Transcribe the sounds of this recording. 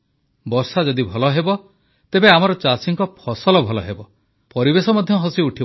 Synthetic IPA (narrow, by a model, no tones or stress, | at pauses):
bɔɾsad͡ʒɔd̪ibʱɔlɔɦebɔ | t̪ebeamɔɾɔt͡ʃasiŋkɔpʰɔsɔlɔbʱɔlɔɦebɔ | pɔɾibesɔmɔd̪ʱjɔɦɔsiuʈʰi